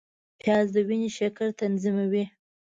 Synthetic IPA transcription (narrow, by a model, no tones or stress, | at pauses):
pjɑzd̪əwiniʃakaɾt̪anzimawi